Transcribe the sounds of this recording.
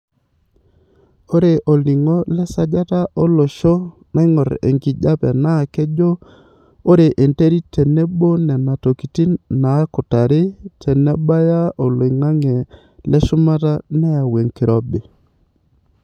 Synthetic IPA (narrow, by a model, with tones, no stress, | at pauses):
o˦ɾe˨ʔo˨li˨ŋo˦lɛ˦sa˦d͡ʒa˦ta˦ʔɔ˦lɔ˨ʃo˦ | na˦ŋɔ˨ɾḛ˨ŋki˨d͡ʒa˦pɛ̰˨na˦˨kɛ˦d͡ʒo˦ | o˦ɾe˨ʔe˨nte˦ɾi˦tʰɛ˨nɛ˦bo˦nɛ˨na˨to˨ki˨ti˦nna˨˦kɔ˨ta˨ɾɪ˦tʰɛ˨nɛ˦ba˦ja˦o˨lŋa˦ŋɛ˨ | lɛ˦ʃʊ˦ma˦ta˦nɛ˦a˨we˨ŋkɪ˨ɾɔ˦be˨